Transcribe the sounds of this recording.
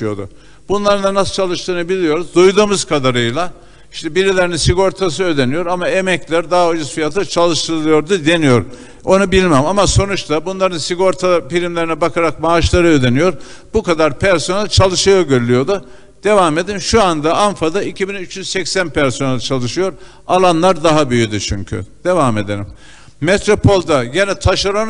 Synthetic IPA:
jo̰d̪ṵ | bunlˠaɾɯnanast͡ʃʰalˠɯʃt̪ˠɯnabilʲijo̞ɾuzd̪ujd̪uːmɯzkʰad̪aɾɯjlˠa | iʃt̪ʰɛbiɾʲilʲeɾininsiɡo̞ɾt̪ʰas̬ɯød̪e̞nijo̞ɾamae̞mɛclʲæɾd̪aɦaod͡ʒasfijat̪ʰɯt͡ʃʰalˠɯʃt̪ʰɯɾɯlˠɯjo̞ɾd̪ud̪e̞nijo̞ɾ | o̞nubilʲmæmamaso̞nut͡ʃt̪abunlˠaɾɯnsiɡo̞ɾt̪ʰafilʲimlʲeɾinɛbakʰaɾak̚maːʃlˠaɾɯød̪e̞nijo̞ɾ | bukad̪aɾpʰæɾso̞nælʲt͡ʃʰalˠɯʃɯjaɟøɾylʲyjo̞d̪ʊ | d̪̥e̞vame̞d̪imʃuand̪aʔanfad̪aicʰibinyt͡ʃjyz̥sɛcsænpʰæɾso̞nælʲt͡ʃʰalˠɯʃɯjo̞ɾ | a̰lˠanlˠaɾd̪aɦabyjyd̪yt͡ʃʰyɲcʰy̰d̪̥e̞vame̞d̪e̞nʲimː | et̪ɾopʰo̞lˠd̪ajenɛt̪ʰaʃaɾon

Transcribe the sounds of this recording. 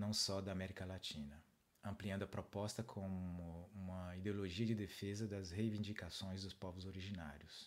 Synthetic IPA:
nɐ̃w̃sɔd̪ɐamɛɾikɐlat͡ʃĩnɐ | ɐ̃mpliɐ̃nd̪ʊɐpɾɔpɔst̪ɐkʰõmʊũmɐid̪eoloʒiɐd͡ʒɪd̪efezɐd̪ɐshejvĩnd͡ʒikasõj̃zd̪ʊspɔvʊzoɾiʒina̰ɾjʊs

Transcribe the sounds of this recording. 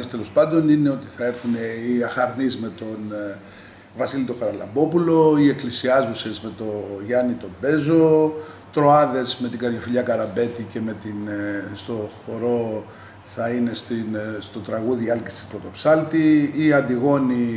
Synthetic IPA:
st̪elo̞spɐnd̪o̞nine̞o̞t̪i̥θɐe̞ɾθuneiɐxɐɾnizme̞t̪o̞n | vɐsilit̪okɐɾɐlɐmbo̞pulo̞ie̞klisiɐzuse̞zme̞t̪o̞ʝɐnit̪o̞be̞zo̞ | t̪ɾo̞ɐðe̞zme̞t̪iɡɐʎifiʎɐkɐɾɐbe̞t̪ice̞me̞t̪inst̪o̞xo̞ɾo̞ | θɐine̞st̪inst̪o̞t̪ɾɐɣuðiɐlcist̪i̥spɾot̪o̞psɐlt̪iiɐnd̪iɣo̞ni

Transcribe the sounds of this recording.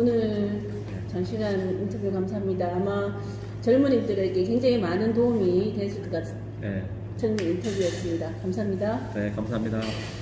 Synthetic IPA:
onɯɭ | t͡ɕaŋɕʰiɡanintʰʌbjukamsʰaɦamɲidaːma | t͡ɕʌɭmuɲimdɯɾeikekweŋd͡ʑaŋimanɯntoumite̞ɭs͈ʰut͈k͈a | ḛ | t͡ɕʰʌnintʰʌbjuɦes͈ɯmɲidakamsʰaɦamɲidanekamsʰaɦamɲida

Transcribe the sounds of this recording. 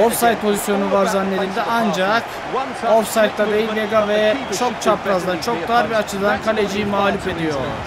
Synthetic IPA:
ofsajt̪̚pʰo̞zisjo̞nuvaɾzanːe̞d̪ilʲd̪ɛʔand͡ʒak | oɾfsajt̪ːad̪ejiveɡavɛt͡ʃʰo̞k̚t͡ʃʰapɾazd̪ant͡ʃʰo̞k̚d̪aɾbiat͡ʃʰɯd̪ankʰalʲed͡ʒijimaːlʲufe̞d̪ijo̞

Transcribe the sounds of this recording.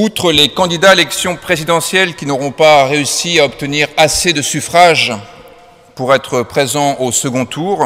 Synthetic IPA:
ut̪χəlekɑ̃d̪id̪aelɛksjɔ̃pχezid̪ɑ̃sjɛlkʲinɔʁɔ̃paʁeysiaɔpt̪əniʁased̪əsyfχaʒ | puʁɛt̪χəpχezɑ̃ʔosəɡɔ̃t̪ʰuːʁ

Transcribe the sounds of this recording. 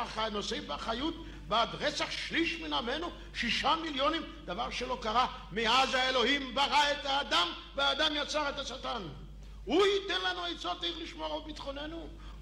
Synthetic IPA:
aχanosebaχajut̪̚ | baad̪ʁet͡saχʃliʃminame̞nu | ʃiʃamiljo̞nim | d̪avaʁʃelo̞kaʁa | meazhaelo̞himbaʁaet̪aːd̪am | veaːd̪amjat͡saʁet̪asat̪an | huhit̪enlanuejt͡sot̪aiχliʃmoaobit̪χo̞ne̞nu

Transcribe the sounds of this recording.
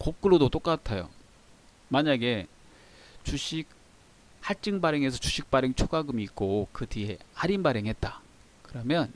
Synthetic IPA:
kok̚k͈ɯɾodot͈ok͈atʰajo̰ | maɲaɡe̞ | t͡ɕuɕʰik̚ | haɭt͡ɕ͈ɯŋbaɾeŋe̞s̬ʰʌt͡ɕuɕʰik̚p͈aɾeŋt͡ɕʰoɡaɡɯmiːk̚k͈okɯtiḛaɾinbaɾeŋɦe̞t̚t͈a | kɯɾʌmjʌn

